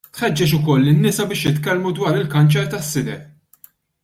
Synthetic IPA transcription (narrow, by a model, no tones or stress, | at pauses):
t̪ħɛd͡ʒːɛt͡ʃʊkɔlːɪnːɪsɐbɪːʃjɪt̪kɛlmud̪wɐːɾɪlkɐnt͡ʃɛɾt̪ɐsːɪd̪ɛʔ